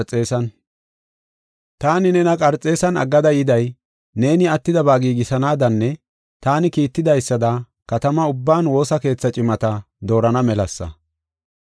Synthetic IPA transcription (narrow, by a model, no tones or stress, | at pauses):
ɾt͡sʼe̞ːsɐn | t̪aːnɪnɛnɐkʼɐɾt͡sʼːe̞ːsɐnɐ̰ɡːɐd̪ɐjɪd̪ɐj | ne̞ːnɪɐt̪ːɪd̪ɐbaːɡiːɡɪsɐnaːd̪ɐnːɛ | t̪aːnɪkiːt̪ːɪd̪ɐjsːɐd̪ɐ | kɐt̪ɐmɐʊbːaːnwo̞ːsɐke̞ːt͡sːɐt͡ʃʼɪmɐt̪ɐ | d̪o̞ːɾɐnɐmɛlɐsːɐ̰